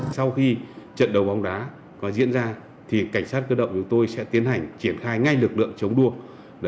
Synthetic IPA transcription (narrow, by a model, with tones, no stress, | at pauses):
sa˧wxi˧t͡ɕə̰˧˨nɗə˨˩wɓa˨˦wŋ͡mɗaː˨˦ | kɔ˨˦zḭ˧˥ənzaː˧ | t̪ʰi˨˩ka˧˩jŋ̟saː˦˥t̚kəː˧ɗə̰˧˨wŋ͡mt͡ɕʊ˨˦ŋ͡mt̪o˧jsɛ̰˧˥t̪i˨˦ənha˨˩jŋ̟t͡ɕi˧˩ənxaː˧jŋa˧jlɨ˨˩k̚lɨ̰˧˨əŋt͡ɕə˨˦wŋ͡mɗu˧ə